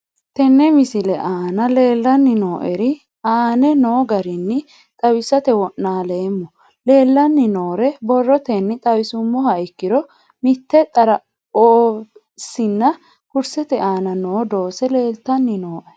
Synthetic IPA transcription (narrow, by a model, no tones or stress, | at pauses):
t̪ɛnːɛmɪsɪlɛʔaːnɐle̞ːlːɐnːɪno̞ːʔɛɾɪ | aːnɛno̞ːɡɐɾɪnːɪ | t̪ʼɐwɪsːɐt̪ɛwɔʔːaːle̞ːmːɔ | le̞ːlːɐnːɪno̞ːɾɛbɔrːɔt̪ɛnːɪt̪ʼɐwɪsʊmːɔhɐɪkːɪɾɔ | mɪt̪ːɛt̪ʼɐɾɐ | oː | sɪnːɐ | kʊɾsɛt̪ɛaːnɐnoːd̪o̞ːsɛle̞ːlt̪ɐnːɪnoːʔɛ